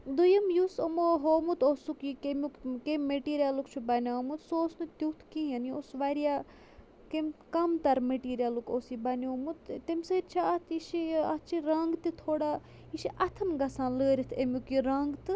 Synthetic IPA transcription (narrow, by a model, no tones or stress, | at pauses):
d̪ujɐmjusɐmoɦoːmut̪oːsukikemukkemːeʈiːɾijalukt͡ʃʰubɐnʲaːmut̪soːsnɨt̪iwt̪ʰkijɐniosʋaːɾija | kemkɐmt̪ɐɾmeʈiːɾijalukoːsibɐniomut̪t̪emsət͡ʃʰaɐt̪ʰiʃiɐt͡ʃʰiɾɐŋɡt̪it̪ʰoːɽa | iʃiʔɐt̪ʰɐnɡɐsãːləːɾʲit̪ʰemʲukiɾɐŋɡt̪ɨ